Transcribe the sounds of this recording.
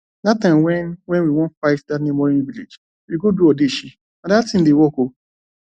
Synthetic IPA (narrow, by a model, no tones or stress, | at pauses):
datãmwɛ̃nwɛ̃nwiwɔ̃nfaɪtdatnẽmɔɾĩnviled͡ʒ | wiɡoduɔdeʃi | adatĩn̩dewɔko